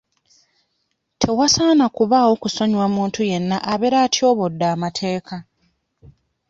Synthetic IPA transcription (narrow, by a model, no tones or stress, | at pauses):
tʰe̞wasaːnakuβaːwo̞kuso̞ɲwamuːntuje̞nːaʔaβe̞ɾaːtjo̞ːβo̞dːaːmatʰe̞ːka